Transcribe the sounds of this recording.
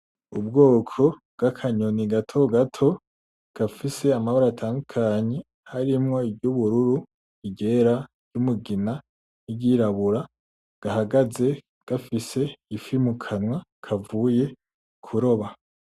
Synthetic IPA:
ubɡoːkʰo̞bɡ̥akʰaɲoniɡatʰo̞ɡatʰo̞ | ɡ̥afise̞amahoɾaːtʰaːndukʰaɲe̞ | haɾimŋo̞ibɟuβuɾuɾu | iɟe̞ɾaɾjɟ̥umuɡina | niɟiːɾaβuɾa | ɡ̥ahaɡaze̞ | ɡ̥afise̞ifimukʰanwakʰavuːje̞ | kʰuɾo̞βa

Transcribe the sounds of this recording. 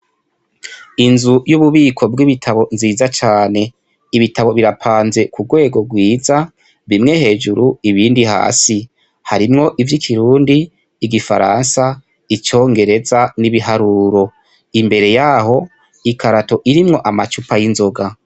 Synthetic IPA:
inzujuβuβiːkʰo̞bɡiβitʰaβo̞nziːzat͡ʃaːne̞ | iβitaβo̞βiɾapʰaːnze̞kuɡwe̞ːɡo̞ɡwiːza | βimŋe̞he̞ːd͡ʒuɾuiβiːndiɦa̰ːsi | haɾimŋo̞ʔivjikʰiɾuːndiː | ɡifa̰ɾa̰nsa | it͡ʃo̞ːŋɡe̞ɾe̞zaniβiɦaɾuːɾo̞ | imbe̞ɾe̞jaːho̞ | ikaɾato̞ʔiɾimŋo̞ʔamat͡ʃupajinzo̞ɡa

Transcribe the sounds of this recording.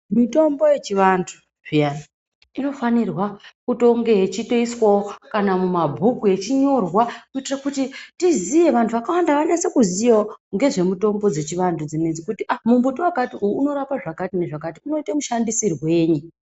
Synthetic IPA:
mito̞mbo̞je̞t͡ʃiʋantʰu̥ | ʐ̥ijana | ino̞fanirwakuto̞ŋɡe̞et͡ʃitoiswakanamumabʱukue̞t͡ʃiɲo̞rwakuitirakutitizije̞ʋantʰuʋakawandaʋaɲasekuzijaoŋɡe̞ʐe̞muto̞mbo̞d͡ze̞t͡ʃiʋantʰud͡zinend͡zikutiʔamumbutiwakatiujuːno̞ɾapaʐakatine̞ʐakatiuno̞itamuʃandisirwe̞ːɲi

